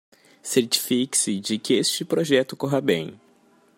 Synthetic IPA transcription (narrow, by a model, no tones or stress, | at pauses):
seɾt͡ʃi̥fikɪ̥sɪd͡ʒɪkɪest͡ʃɪpɾoʒɛt̪ʊkoɦɐbḛ̃j̃